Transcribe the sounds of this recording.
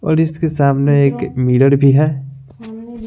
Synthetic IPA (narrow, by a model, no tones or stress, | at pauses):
ɔ̰ːɾɪskesaːmneeːkmiːɽəɾbʱiɦɛː